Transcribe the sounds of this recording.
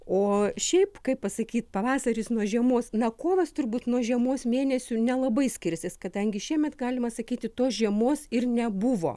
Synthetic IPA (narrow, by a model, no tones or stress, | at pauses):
oːʃʲɛɪpkɐɪppɐsɐkʲiːt̪pɐʋɑːsɐɾʲɪsnuɔʒʲiɛmoːsnɐkoːʋɐst̪ʊrbuːt̪nuɔʒʲiɛmoːsmʲeːnʲɛsʲʊnʲɛlˠɐbɐɪsʲkʲɪɾʲsʲeskɐd̪ɐŋʲɡʲɪʃʲiɛmʲɛt̪ɡɑːlʲɪmɐsɐkʲiːt̪ʲɪt̪oːsʒʲiɛmoːsɪrnʲɛbʊʋo̰ː